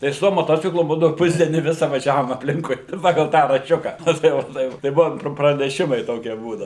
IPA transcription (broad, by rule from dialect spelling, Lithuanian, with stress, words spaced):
tɐɪ sʊ ˈtuɔ moːˈtoːt͡sʲɪklˠʊ ˈbuːdɐʊ ˈpʊzʲdʲiɛnʲiː ˈʋʲɪsɐ ʋɐˈʒʲæːʋoːm ɐpʲˈlʲɪŋkʊɪ ˈpɑːɡɐlˠ ˈtɑː rɐʃʲˈt͡ʃʲʊkɐ ˈnɐ tɐɪ ˈʋɐ ˈtɐɪ ʋɐ tɐɪ ˈbʊʋoːm prɐnʲɛˈʃʲɪmɐɪ ˈtoːkʲiɛ ˈbuːdɐʊ